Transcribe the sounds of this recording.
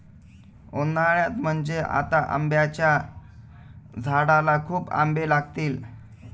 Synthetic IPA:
onaɭjat̪m̤əɳd͡zeʔa̰t̪aʔə̰mbjat͡ɕja | d͡zʱaɽalakʰuːpa̰mbelaɡt̪iːl

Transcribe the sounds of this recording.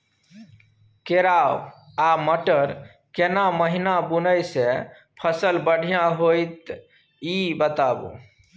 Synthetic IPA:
keɾaw | aməʈəɾ | kenaməɦinabunəjse | pʰəsəlbəɽ̤ʱijãɦojt̪ | ibət̪abṵ

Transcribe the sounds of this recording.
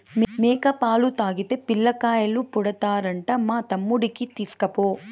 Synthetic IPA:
mmeːkɐpaːlut̪aːɡit̪epilːɐkaːjɐlːupuɽɐt̪aːɾɐɳʈɐmːaːt̪ɐmːuɽikit̪iskɐpoː

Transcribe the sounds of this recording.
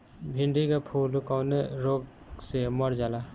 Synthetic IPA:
bʱɪ̃ɳɖikapʰuːlkaʊneɾoːɡ | seməɾd͡ʒaːla

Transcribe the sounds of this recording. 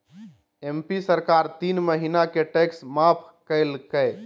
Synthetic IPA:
empisəɾkaɾt̪inməɦinakeʈeksmapʰ | kəɪlkəj

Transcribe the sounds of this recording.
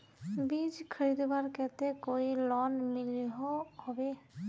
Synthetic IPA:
bid͡ʒkʰəɾid̪baɾkɛt̪ekoilɔnmiliɦohɔbe

